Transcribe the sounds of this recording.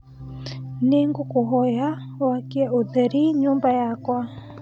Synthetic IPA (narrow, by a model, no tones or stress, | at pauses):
neŋɡokoɦɔja | wakiɛʔoðɛɾiɲumbajakwa